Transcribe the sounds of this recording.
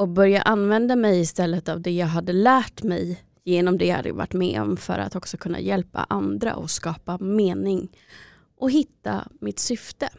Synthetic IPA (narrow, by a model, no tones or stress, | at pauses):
ɔk̚bœɾjaʔanːvɛnd̪amɛjɪst̪ɛlːət̪avd̪ɛjɑːɡɦad̪ːəlæːʈmɛj | jeːnɔmd̪ɛjha̰d̪ə̰ja̰va̰ʈːmɛːɔ̰mfœ̰ɾa̰t̪ɔksɔkʰɵnːa̰jɛlpa̰ʔand̪ɾa̰ʔɔskɑːpameːnɪŋ | ʔɔɦɪt̪ːa̰mɪt̪sʏft̪ə